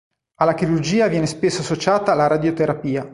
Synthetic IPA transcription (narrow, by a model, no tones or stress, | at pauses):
alːakiɾurd͡ʒiːavjɛːnespesːoasːot͡ʃaːt̪aːlaɾad̪jot̪eɾapiːa